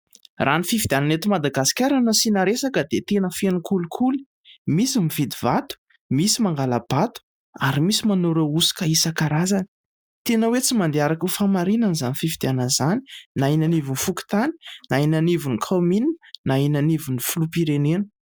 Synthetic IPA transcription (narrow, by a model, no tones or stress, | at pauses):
rʔanifivid̪iananet̪imad̪aɡasi̥kʲaɾanəsinaɾesakəd̪et̪enəfenukulukʰuli̥ | misimivid̪ivat̪u̥ | misimaŋɡaləb̥at̪u̥ | aɾimisimanoɾousi̥kaisakaɾazan | t̪enəwet͡simand̪eaɾakufamaɾinənizanifivid̪ianəzani̥nainanivunfuki̥t̪ani̥nainanivunikʰomininainanivunifulupiɾenenə̥